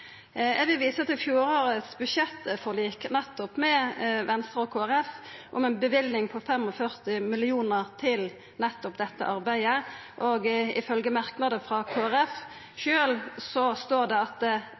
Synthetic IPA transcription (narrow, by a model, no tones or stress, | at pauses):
ɛʋɪlʋiːsəɑt̪ɪfjuːɾoːɾət̪sbʉʃɛt̪ːfɔʁliːknɛt̪ːɔpmɛʋɛnst̪ɾəɔkʰoːæɾɛfʔʊ̰mɛnbəʋɪlnɪŋpʰɔfɛmɔfœɾt̪ɪmɪlɪuːnəɾt̪ʰɪl | nɛt̪ːɔpd̪ɛt̪ːə̰ʔɑɾbæɪəʔɔɡɪfœlɡəmɑɾknɑd̪əfɾɑkʰoːæɾɛf | ʃøːlsɔst̪oːɾd̪ɛɑt̪̚